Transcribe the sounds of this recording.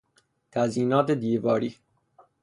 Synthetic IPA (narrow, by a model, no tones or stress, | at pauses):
t̪ʰæziːnɒːt̪ʰed̪iːvɒːɾiː